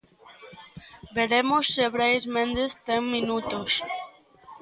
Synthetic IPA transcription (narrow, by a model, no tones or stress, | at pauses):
beɾemosːeβɾejzmẽnd̪est̪eŋmĩnut̪os